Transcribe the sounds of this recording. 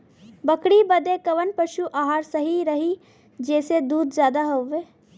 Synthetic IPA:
bɐkɽibɐd̪ekɐʋənpɐʃuʔaːɦaːɾsɐɦiɾɐɦi | d͡ʒɛːsed̪uːd̪zjaːd̪aɦoʋeː

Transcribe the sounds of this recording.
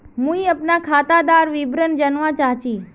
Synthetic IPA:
mũːĩəpnakʰaːt̪ad̪aːɾʋibɾənd͡ʒənʋãt͡ʃaːɦt͡ʃiː

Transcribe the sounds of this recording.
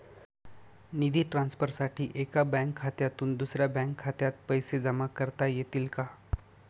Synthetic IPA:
nid̪ʱiːʈɾãnspəɾsaʈʰiːʔekabɛ̃ŋkʰːat̪jat̪uːnd̪usɾjabɛ̃ŋkʰːat̪jat̪̚pəjsed͡zəmakəɾt̪ajet̪iːlka

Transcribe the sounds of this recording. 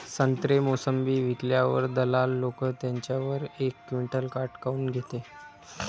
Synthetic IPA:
sənt̪ɾemosəmbiːʋikljaʋə̰ɾd̪əlalːokət̪jaɲt͡ɕjaʋəɾekːʋiɳʈəlkaɾʈkauːnɡʱet̪e

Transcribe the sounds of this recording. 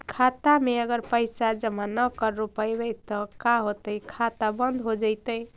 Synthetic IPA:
kʰat̪ameəɡəɾpəɪsad͡ʒəmanəkəɾːupəjbəjt̪ɔkaɦot̪əjkʰat̪abənd̪ʱɦod͡ʒəjt̪əj

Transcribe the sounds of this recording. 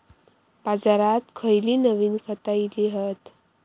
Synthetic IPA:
pad͡zaɾat̪kʰəjliːnəʋiːnkʰət̪ailiɦət̪

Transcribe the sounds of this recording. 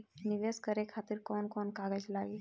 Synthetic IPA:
niʋeskəɾekʰat̪iɾkɔːnkɔːnkaɡəd͡ʒlaːɡe

